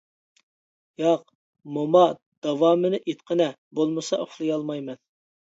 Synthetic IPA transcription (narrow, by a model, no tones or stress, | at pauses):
jɑq | momɑ | d̪̥ɑwɑːmɨnɪʔit̪qʰənɛ | bolˠmɨsɑ̰ʔoχlˠɨjɑlˠmɑjmɛn